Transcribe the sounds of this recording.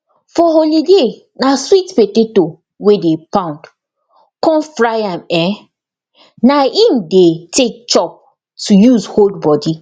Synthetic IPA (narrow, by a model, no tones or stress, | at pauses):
fɔholide | naswitpeteto | wedepãʊ̃nd | kɔ̃nfɹajãmɛ | naĩmdetek̚t͡ʃɔp̚ | tujuzholdbɔdi